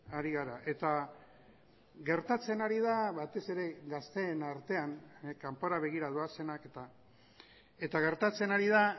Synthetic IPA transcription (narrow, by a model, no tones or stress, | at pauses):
aɾiɣaɾaʔe̞t̪a | ɣe̞ɾt̪at͡se̞naɾiðaβat̪e̞se̞ɾe̞ɣast̪e̞ːnaɾt̪e̞ankampoɾaβ̞e̞ɣ̞iɾað̞oase̞naket̪a | e̞t̪aɣ̞e̞ɾt̪at͡se̞naɾiða